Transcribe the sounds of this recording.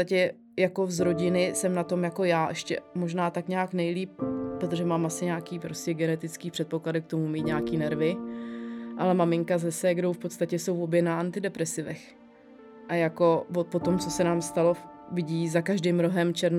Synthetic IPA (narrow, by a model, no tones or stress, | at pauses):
t̪acɛ | jako̞zɾo̞ɟɪnɪsɛmnat̪o̞mjako̞jaːʔɛʃcɛ̰mo̞ʒnaːt̪akɲaːknɛjliːp̚pːɾot̪o̞ʒɛmaːmʔasɪɲaːkiːpɾo̞scɛɡɛnɛt̪ɪt͡skiːpr̝̥ɛt̪̚po̞kladɪk̚t̪o̞mumiːt̪ɲaːkiːnɛɾvɪ | ʔalɛmamɪŋkazɛsɛɡdo̞wfpo̞t̪st̪acɛso̞wvo̞bjɛnaʔant̪ɪdɛpɾɛsɪvɛ̰x | ʔajako̞vopo̞t̪o̞mt͡so̞sɛnaːmst̪alo̞ | vɪɟiːzakaʒdɪːmɾo̞ɦɛmt͡ʃɛɾn